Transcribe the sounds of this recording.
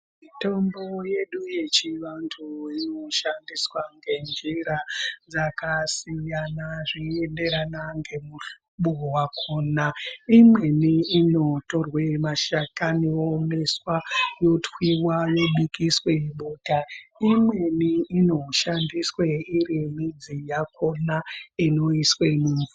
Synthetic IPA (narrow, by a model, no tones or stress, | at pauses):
mito̞mbo̞je̞ɗuje̞t͡ʃiʋantʰuino̞ʃandiswaŋɡe̞nd͡ʒiɾad͡zakasijanaʐiende̞ɾanaŋɡe̞muu | ɓuwakʰonaimwe̞niːno̞to̞rwemaʃakaniomeswajo̞twiwajoɓikisweɓuːtaimwe̞niːno̞ʃandisweiɾimid͡zijako̞naino̞iswemuːɱu